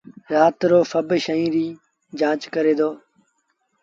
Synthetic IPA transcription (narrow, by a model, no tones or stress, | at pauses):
ɾaːt̪ɾoːfəbʃəĩːɾiː | d͡ʒãːt͡ʃkəɾeːd̪oː